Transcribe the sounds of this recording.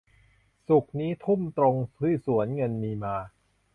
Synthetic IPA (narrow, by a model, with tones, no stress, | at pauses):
su˨˩k̚niː˦˥t̪ʰu˥˩mt̪ɾo˧ŋʰɯ˥˩su˩˦ənŋɤ˧nmiː˧maː˧